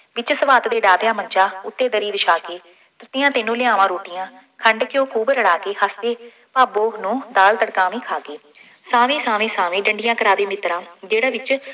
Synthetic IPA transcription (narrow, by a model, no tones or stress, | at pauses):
ʋɪt͡ʃsəʋaːt̪d̪eːɖaːd̪jãːməɲt͡ʃaːʊt̪ːeːd̪əɾiːd̪ɪʃaːkeː | t̪ət̪ɪjãːt̪eːnũːlɪãːʋãːɾoːʈɪjãː | kʰəɳɖkɪjoːkʰuːbɾəɽaːkeːɦaːst̪eː | paːboːnũːd̪aːlt̪əɽkãːʋĩːkʰaːɡeː | saːʋẽːsaːʋẽːsaːʋẽːɖəɳɖɪjãːkəɾaːd̪eːmɪt̪ɾãːd͡ʒeːɽaːʋɪt͡ʃ